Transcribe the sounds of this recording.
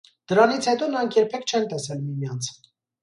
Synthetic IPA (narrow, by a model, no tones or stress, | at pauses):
d̪̥əɾɑnit͡sʰhɛt̪ɔnɑŋkʰjɛɾpʰɛkʰt͡ʃʰɛnt̪ɛsɛlmimjɑnt͡sʰ